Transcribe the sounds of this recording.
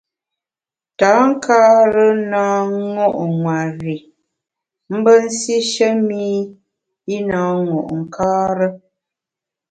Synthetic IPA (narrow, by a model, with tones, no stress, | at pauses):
taː˨˦ŋ̩˦kʰaː˦ɾə˦naː˦ŋɔ˦ʔŋwa˨ɾi˨ | m̩˦bə˦n̩˦si˦ʃə˦mi˦ | i˦naː˨˦ŋɔ˨ʔŋ̩˨kʰaː˦ɾə˦